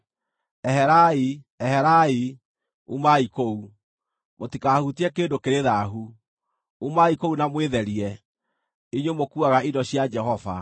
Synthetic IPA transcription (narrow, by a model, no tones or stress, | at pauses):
ɛɦɛɾai | ɛhɛɾai | umaikou | motikaːhutiɛkeːndokeɾeðaɦu | umaikounamweðɛɾiɛ | iɲwomokuaɣaidɔɕiad͡ʒɛɦɔva̰